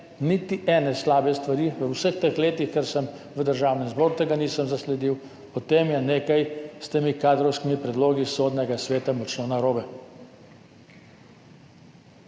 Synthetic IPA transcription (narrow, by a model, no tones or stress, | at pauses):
nit̪iʔɛːnɛslaːbɛst̪ʋaɾiʋəwsəxt̪əxleːt̪ixkɛɾsəm | ʋəd̪əɾʒaːwnɛnzboːɾut̪eɡanisəmzaslɛd̪iw | pɔt̪emjɛneːkajst̪eːmikaːd̪ɾɔwskimipɾɛd̪loːɡisoːd̪nɛɡasʋeːt̪amɔt͡ʃnɔnaɾoːbɛ